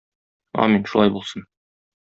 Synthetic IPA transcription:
ɒ̰minʃulˠɑjbulˠsɤn

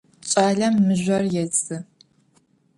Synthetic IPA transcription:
ɕʼaːɮɐmːɨʑʷɐrjɛt͡sʼɨ

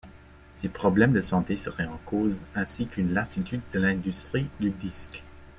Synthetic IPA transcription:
sepχɔblɛmd̪əsɑ̃t̪esəʁɛɑ̃kʰoːzɛ̃sikynlasit̪yd̪ːəlɛ̃d̪yst̪χid̪yd̪isk

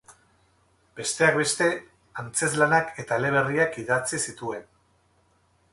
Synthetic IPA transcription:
b̥e̞st̪e̞akbe̞st̪e̞ | ant͡se̞zlanake̞t̪aele̞β̞e̞riakiðat͡sisit̪ue̞n

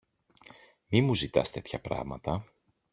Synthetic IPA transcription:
mimuzit̪ɐ̰st̪e̞t̪çɐpɾɐ̰ɣmɐt̪ɐ

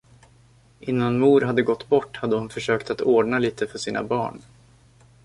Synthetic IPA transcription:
ʔɪnːanmuːɾɦad̪ːəɡɔt̪ːbɔʈːhad̪ːəhʊnfœʂøːkt̪at̪oːɖɳaliːt̪ʰəfœʂiːna̰bɑ̰ːɳ

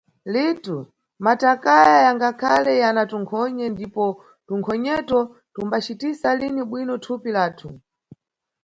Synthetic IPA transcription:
litu | matakajajaŋɡakʰalɛjanatuŋkʰɔɲɛndipɔ | tuŋkʰɔɲɛtɔ | tumbat͡ʃitisaliniɓwinɔtʰupilaːtʰu

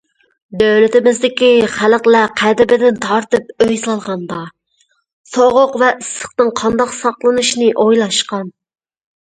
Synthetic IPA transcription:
d̪øwlɪt̪ɪmɪzd̪ɪkʲiχælqlɛqʰæd̪ɪbɪd̪ɪnt̪ʰɑɾt̪ɨpøjslɑlˠʁɑnd̪ɑ | soʁʊqvɛʔɪsə̥χt̪ɨŋqʰɑnd̪ɑqsɑqlˠɨnuʃnɨʔojlˠɑʃqɑn

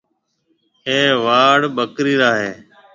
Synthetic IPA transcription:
eːʋaːɽbəkɾiːɾaːɦeː

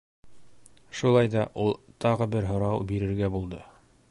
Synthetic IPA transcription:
ʃulˠɑjd̪ɑʔulˠt̪ɑʁɤbɘɾɦŏɾɑwbiɾɘ̆ɾɡæbulˠd̪ɤ

